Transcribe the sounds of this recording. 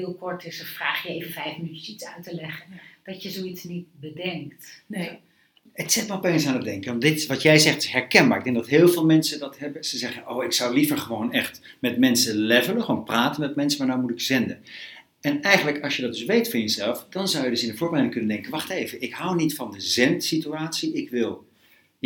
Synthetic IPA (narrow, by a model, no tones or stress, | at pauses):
ɪːlˠkɔɹtɪsfraːχjəejvəfɛjfmnyəsitsœɥtəlɛχənd̥ɑtjəzowitsnit̚bədɛŋktn | ətsɪtmrɔpejnsaːnəd̚dɛŋkənɑndɪtɪʋɑtjɛjzɛχtɪ̥ɦɛɹkɛnbaːɹɪɡ̚dɛ̃ŋɡ̚dɑtɦɪːlˠvɪːlˠmɛnsədɑtɦɛbəsɛzɛχəowɪksɑwlivəɹχəʋownɛχt | mɛtmɛnsəlɛvənəχonpraːtəmɛtmɛnsəmaːɹnawmutɪkz̥ɛndən | ɛnɛjχənləkɑlˠʃjədɑt̚dɵsʋejtfʊːɹjəzɛlˠfd̥ɑnzʌwjədɵsɪndəvʊːɹbərɛjdɪŋkɵnəndɛŋkənʋɑχtejvəɪkɦawnitfɑndəzɛntsityaːtsiɪkʋɪlˠ